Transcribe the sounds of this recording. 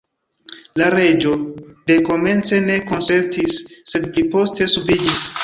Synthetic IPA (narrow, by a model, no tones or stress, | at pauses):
laɾe̞d͡ʒo̞de̞ko̞me̞nt͡se̞ne̞ko̞nse̞ɾtisːe̞d̚plipo̞ste̞subid͡ʒis